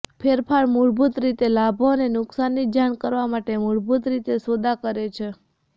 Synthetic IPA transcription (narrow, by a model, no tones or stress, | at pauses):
pʰeɾpʰaɭmuɾbut̪ɾit̪elabʱonenʊksanːid͡ʒaɽkəɾʋamaʈemuɭbut̪ɾit̪esod̪akəɾet͡ʃʰe